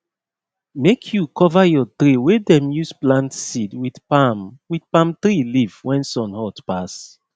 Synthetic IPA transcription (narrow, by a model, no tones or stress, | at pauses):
mekʰjukʰɔvajɔtɹiwedɛ̃mjusplãntsidwidpamwidpãmtɹilivwɛ̃nsɔ̃nhɔtpas